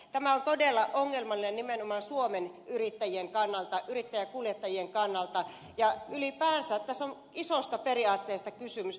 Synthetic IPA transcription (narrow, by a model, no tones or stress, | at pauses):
t̪æmæont̪odelːɑʔoŋːelmɑlːˑinennimenomɑnsuomenʔyrit̪ːæjieŋkɑnːɑlt̪ɑʔyrit̪ːæjækuljet̪ːɑjieŋkɑnːɑlt̪ɑ | jɑylipæːnsætt̪æsːon | isost̪ɑperiɑːt̪ːeːst̪ɑkysymys